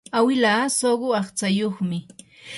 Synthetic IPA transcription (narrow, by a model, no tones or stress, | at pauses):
awɪlaːsoɢʊɑχt͡sajoχmɪ